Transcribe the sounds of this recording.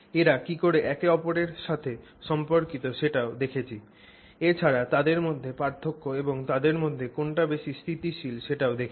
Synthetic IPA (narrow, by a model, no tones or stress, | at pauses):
eɾakikoɾeʔɛkeɔpoɾeɾʃat̪ʰe | ʃɔmpoɾkit̪oʃeʈaod̪ekʰet͡ɕʰi | et͡ɕʰaɾat̪ad̪eɾmod̪ʱːepaɾt̪ʰokːoeboŋt̪ad̪eɾmod̪ʱːekoɳʈabeʃist̪ʰit̪iʃilʃeʈaod̪ekʰe